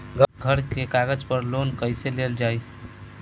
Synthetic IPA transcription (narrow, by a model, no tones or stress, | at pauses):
ɡɡʱəɾkekaɡəd͡ʒpəɾlonkəɪseleld͡ʒaj